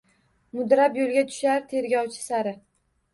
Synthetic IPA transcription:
mʊd̪ɾapjolˠɡʲat̪ʰʊ̥ʃaɾt̪ʰe̞ɾɡʲɒwt͡ʃʰɪ̥saɾɪ

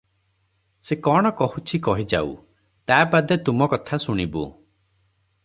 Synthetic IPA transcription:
sekɔɽ̃ɔkɔhut͡ʃʰikɔɦid͡ʒa̰ṵ | t̪aːbad̪et̪umɔkɔt̪ʰasuɽ̃ibṵ

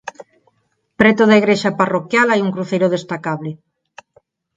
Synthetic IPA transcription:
pɾet̪oðaiɣɾeʃaparokjalajuŋkɾuθejɾoð̞est̪akaβlɪ

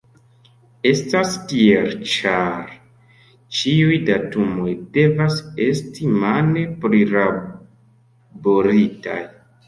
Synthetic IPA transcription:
e̞staspieɾt͡ʃaɾ | t͡ʃiujdatumo̞jde̞vase̞stimanepɾiɾa | boɾita̰j

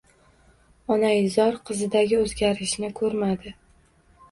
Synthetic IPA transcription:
ɒnazɒɾqʰɨzɪd̪aɡʲɪɵzɡʲaɾɪʃnɪkʰɵɾmad̪ɪ

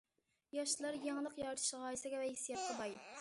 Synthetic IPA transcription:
jɑʃlˠɑɾjeŋlˠəqjɑɾt̪ʰɨ̥ʃʁɑisɪɡʲɛvɛhisijɑt̪̚qʰɑbɑj

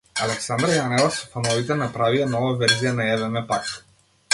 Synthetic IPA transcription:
alɛksand̪ɾjanɛlˠasɔfanɔvit̪ɛnapɾavianɔvavɛɾzijanaɛvɛmɛpat̪

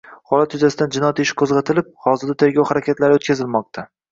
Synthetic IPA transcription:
hɒlat̪jʊzasɪd̪and͡ʒɪnɒjat̪ɪʃɪ̥kʰozʁɑt̪ʰɪlɪp̚hɒzɪɾd̪at̪ʰe̞ɾɡʲawhaɾakʲʰet̪laɾɪot̪kʲʰazɪlmɒq̚t̪ʰa

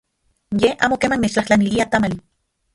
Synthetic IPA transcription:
jeʔa̰ːmokeːmanmet͡ʃt͡ɬaht͡ɬaniliat̪amal

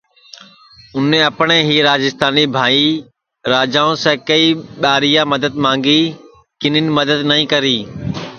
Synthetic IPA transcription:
ʊnẽːɐpɳeːɦiːɾaːd͡ʒɪst̪aːniːbʱaːiː | ɾaːd͡ʒaːõsɛ̃ːkɐiːɓaːɾijãːmɐd̪əd̪mãːŋɡiː | kɪnɪnɪ̆məd̪əd̪nɐĩːkəɾiː

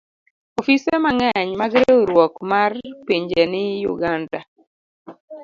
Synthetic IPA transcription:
ɔfisemaŋɛɲmaɡɾeɾwɔkmarpiɲd͡ʒenɪjʊ̰ɡanda

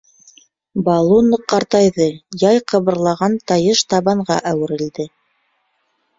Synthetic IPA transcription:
bɑlˠunɤqːɑɾt̪ɑjðɤjɑjqɤ̆βɤ̆ɾlˠɑʁɑnt̪ɑjɤʃt̪ɑβɑɴʁɑʔæwɘ̆ɾɘ̆ld̪ɘ

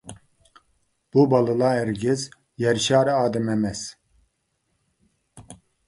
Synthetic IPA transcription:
b̥ubalˠɯlaɛɾɡɪz | jɛɾʃaːɾaːd̪ɛmɛmɛz̥

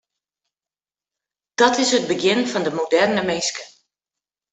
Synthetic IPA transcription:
d̥ɔtɪsəd̚bəɡjɪnfɔndəmodɛrnəmejskə̥

